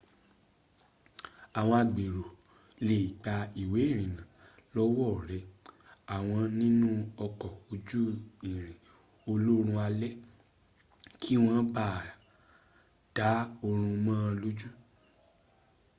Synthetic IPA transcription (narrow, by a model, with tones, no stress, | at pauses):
a˨w̃ɔ̃˧a˧˨ɡ͡be˨ɾo˨ | le˨i˨ɡ͡ba˧i˨we˨˦i˦˨ɾ̃ĩ˨nã˨lɔ˦wɔ˦˨ɾɛ˨˦a˨w̃ɔ̃˧nĩ˦nũ˦ɔ˧kɔ˨o˧d͡ʒu˦i˨ɾ̃ĩ˨ | o˧lo˦ɾ̃ũ˧a˧lɛ˦ | kʰi˦w̃ɔ̃˦ba˦˨ | d̥a˨˦o˧ɾ̃ũ˧mãː˦˧lo˦d͡ʒu˦